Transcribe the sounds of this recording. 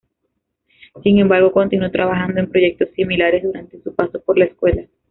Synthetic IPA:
siŋẽ̞mbaɾɣo̞ko̞nt̪inuo̞t̪ɾaβaxand̪oe̞mpɾo̞ʝe̞k̚t̪o̞sːimilaɾe̞zðuɾant̪e̞supaso̞po̞ɾlaeskwe̞la

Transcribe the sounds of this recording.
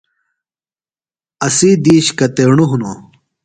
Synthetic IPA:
ɐsiːd̪iːɕkɐt̪eːɳuɦunu

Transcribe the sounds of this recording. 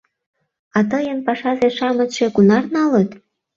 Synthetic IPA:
ɑt̪əjənpɑʃɑzeʃɑmə̆t̪ʃekunɑrnɑlət̪

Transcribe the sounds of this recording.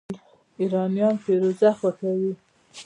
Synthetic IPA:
iɾɑnijɑnpeɾozaxwaxawi

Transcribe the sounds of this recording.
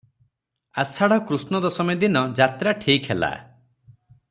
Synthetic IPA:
asʰaɽɔkɾusnɔd̪ɔsɔmed̪inɔd͡ʒat̪ɾaʈʰikʰhela̰

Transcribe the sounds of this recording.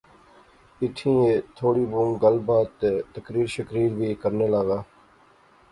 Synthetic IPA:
ɪt̪ʰĩːeːt̪ʰoːɽiːbũŋɡəlbaːt̪ːeːt̪əkɾiːɾʃəkɾiːɾbʱiːkəɾneːlaːɡaː

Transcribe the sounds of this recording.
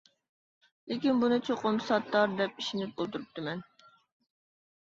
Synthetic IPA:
lɪkʲinbunɨt͡ʃʰoqʊmsɑt̪ːɑɾd̪ɛpiʃinɪp̚olˠt̪ʰuɾup̚t̪ʰɨmɛn

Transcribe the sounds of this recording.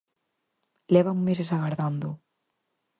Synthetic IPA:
lɛβamːes̬esaɣaɾðand̪u

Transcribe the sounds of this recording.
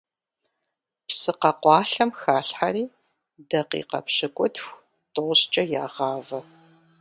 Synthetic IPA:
psɨqɐqʷɑːɬɐmxaːɬħaɾiː | dɐqḭːqɐ̰pɕɨkʷʼʊtʰxʷ | tʼoʁɕt͡ʃʼɐjaːʁɑːvɐ

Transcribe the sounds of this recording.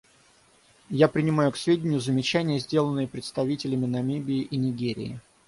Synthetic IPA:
japɾʲɪnʲɪmajʊksvʲedʲɪnʲɪjʊzəmʲɪt͡ɕænʲɪjəzʲdʲe̞lˠənːɨjəpɾʲɪt̪st̪ɐvʲitʲɪlʲɪmʲɪnɐmʲibʲɪːʔinʲɪɡʲeɾʲɪ̰ɪ

